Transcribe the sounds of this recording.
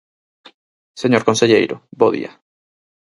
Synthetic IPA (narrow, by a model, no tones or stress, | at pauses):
seɲoɾkonseʎejɾʊboðḭɐ̰